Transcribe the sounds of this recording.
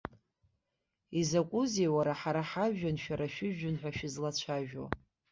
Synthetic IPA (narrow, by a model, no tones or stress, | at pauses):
izakʷʼʊzewaɾaħaɾaħaanʃᶣaɾaʃᶣɪʒᶣʊnħʷᶣaʃᶣɪzlat͡ɕʷʰaʒᶣo̰